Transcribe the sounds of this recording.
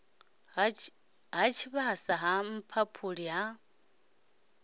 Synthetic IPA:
ɦat͡ʃʰiβasaɦam̩pʰapʰuɺiɦa

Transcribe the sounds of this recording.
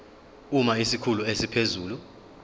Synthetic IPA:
umaisikʰuluesipʰezuːlu

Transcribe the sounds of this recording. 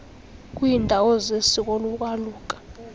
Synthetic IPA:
k̬ʼwiːndʱawɔzesik̬ʼoluk̬ʼwaluːk̬ʼḁ

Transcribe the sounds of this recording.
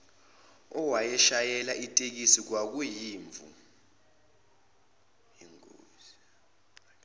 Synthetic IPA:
ɔwajɛʃajɛlaʔitʼek̬isik̬wak̬ujiːɱvṵ | jiŋo̰ːzi

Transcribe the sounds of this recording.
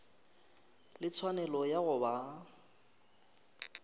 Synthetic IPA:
lɪt͡sʰwanɛlɔjaɣʊba

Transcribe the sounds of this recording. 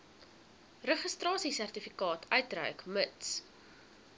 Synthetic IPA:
rəχəstrɑːsisærtifikɑːtʰœɥtrœ̰ɥkməts

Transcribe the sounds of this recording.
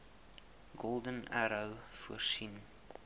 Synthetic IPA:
ɡɔlˠdənæɾəwfuərsin

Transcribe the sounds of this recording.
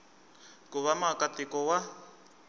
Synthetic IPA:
kʼʊβamakatɪkɔwa

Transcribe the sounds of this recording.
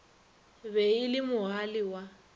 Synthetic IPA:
βɛilɪmʊɦalɪwa

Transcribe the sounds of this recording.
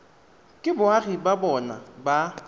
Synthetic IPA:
kʼɪbʊaχibabɔna̰ba

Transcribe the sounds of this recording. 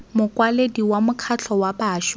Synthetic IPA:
mʊkʼwalediwamʊkʰat͡ɬʰɔwabaːʃ

